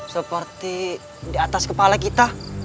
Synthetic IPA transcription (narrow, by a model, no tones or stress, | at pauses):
səpərt̪i | diat̪askəpalakit̪a